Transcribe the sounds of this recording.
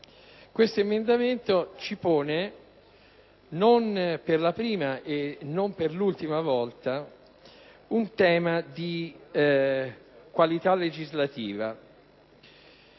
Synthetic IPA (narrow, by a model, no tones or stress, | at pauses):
kwest̪oemend̪ament̪ot͡ʃipoːne | nonperlapɾiːmaʔenːomperlult̪imavɔlt̪a | unt̪ɛːmad̪i | kwalit̪alːed͡ʒizlat̪iːva